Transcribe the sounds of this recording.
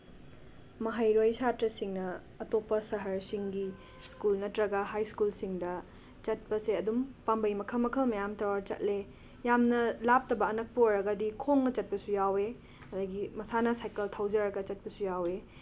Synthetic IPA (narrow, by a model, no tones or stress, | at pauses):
mɐɦajɾojsatɾɐsiŋnɐː | topːɐsɐɦɐɾsiŋɡi | skulnɐtɾɐɡɐɦajskulsiŋdɐ | t͡ʃɐt̚pɐseɐdumpambɐjmɐkʰɐmɐkʰɐmɐjamtɐwaɾt͡ʃɐ̰t̚le | jamnɐlap̚tɐbɐːnɐk̚pɐojɾɐɡɐdikʰoŋnɐt͡ʃɐt̚pɐsujawe | ɐdɐɡimɐsanɐsajkɐltʰawd͡ʒɐɾɐɡɐt͡ʃɐt̚pɐsujawe